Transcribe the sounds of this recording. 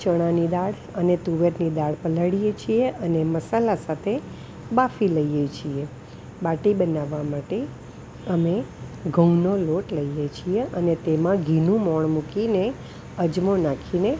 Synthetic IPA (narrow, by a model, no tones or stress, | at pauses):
t͡ʃəɽ̃anid̪aɽ | ənet̪uʋeɾnid̪aɽpələɽijet͡ʃʰieəneməsalasat̪ʰe | bafiləijet͡ʃʰie | baʈibənaʋːamaʈe | əmeɡʱə̃noloʈləijet͡ʃʰieʔənet̪emãɡʱinũmɔɳmukine | əd͡ʒmonakʰine